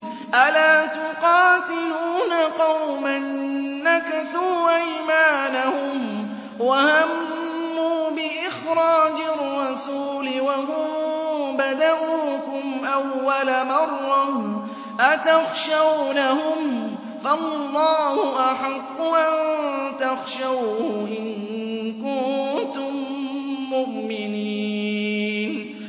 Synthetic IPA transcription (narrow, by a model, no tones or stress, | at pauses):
ʔalaːt̪ʊqɑːt̪ɪluːnaqɑwmanːakaθuːʔajmaːnahʊm | wahamː | uːbɪʔɪxɾɑːd͡ʒɪrːɑsuːlɪwaɦʊmbad̪aʔuːkʊmʔawːalamɑrˤːɑh | ʔat̪axʃawnahʊm | falːɑːhʊʔaħaqːʊʔant̪axʃawʔɪnkʊnnnt̪ʊmː | ʊʔmɪniː | n